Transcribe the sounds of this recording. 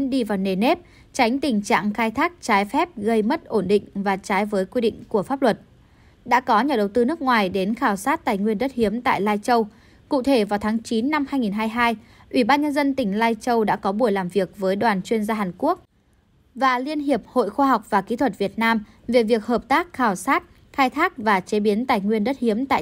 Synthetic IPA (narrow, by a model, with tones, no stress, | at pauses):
nɗi˧vaː˨˩wne˨˩ne˦˥p̚ | t͡ɕa˨˦jŋ̟t̪ï˨˩ŋ̟t͡ɕa̰ː˧˨ŋxaː˧jt̪ʰaː˦˥k̚t͡ɕaː˨˦jfɛ˦˥p̚ɣə˧jmə˦˥t̚ʔo˧˩nɗḭ˧˨ŋ̟vaː˨˩t͡ɕaː˨˦jvəː˨˦jkwi˧ɗḭ̈˧˨ŋ̟ku˧˩əfaː˦˥p̚lwə˨˩t̚ | ɗa̰ː˧˥kɔ˨˦ɲa˨˩ɗə˨˩wt̪ɨ˧nɨ˦˥ək̚ŋwaː˨˩jɗe˨˦nxaː˧˩wsaː˦˥t̚t̪aː˧˨˩jŋwi˧ənɗə˦˥t̚hi˨˦əmt̪a̰ː˧˨jlaː˧jt͡ɕə˧w | kṵ˧˨t̪ʰe˧˩vaː˨˩wt̪ʰaː˨˦ŋt͡ɕi˨˦nːa˧mhaː˧jŋi˨˩nɦaː˧jɦaː˧j | ʔwi˧˩ɓaː˧nɲə˧nzə˧nt̪ï˧˩ŋ̟laː˧jt͡ɕə˧wɗa̰ː˧˥kɔ˨˦ɓu˧˩əjlaː˨˩mvi˨˩ək̚vəː˨˦jɗwaː˨˩nt͡ɕwi˧ənzaː˧ɦaː˨˩nku˦˥ək̚ | vaː˨˩li˧ənɦi˨˩əp̚ho̰˧˨jxwaː˧ɦa˨˩wk͡p̚vaː˨˩ki˨˦t̪ʰwə˨˩t̚vi˨˩ət̚naː˧m | ve˨˩vi˨˩ək̚həː˨˩p̚t̪aː˦˥k̚xaː˧˩wsaː˦˥t̚ | xaː˧jt̪ʰaː˦˥k̚vaː˨˩t͡ɕe˨˦ɓi˨˦ənt̪aː˨˩jŋwi˧ənɗə˦˥t̚hi˨˦əmt̪a̰ː˧˨